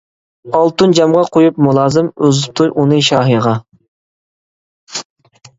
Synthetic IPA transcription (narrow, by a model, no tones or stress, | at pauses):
ɑlˠt̪und͡ʒɑmʁɑqʰojupmulˠɑːzɨmøzp̚t̪ʰujʔunɨʃɑːɦiʁɑ